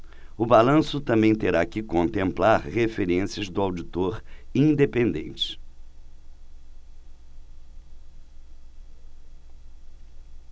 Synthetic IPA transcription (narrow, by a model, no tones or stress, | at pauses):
ʊbalɐ̃sʊt̪ɐ̃mbẽj̃t̪eɾakɪkõnt̪ẽmplaɾhefeɾẽsiɐzd̪ʊawd͡ʒit̪oɾĩd̪epẽnd̪ḛ̃nt͡ʃɪ̥